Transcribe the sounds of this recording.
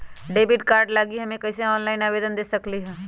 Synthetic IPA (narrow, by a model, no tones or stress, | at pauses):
ɖeːbɪʈkaːɾɖlaːɡiɦɐmẽkɐːseɔːnlaːɪnaːʋeːd̪ənd̪eːsɐkliɦɛ̃ː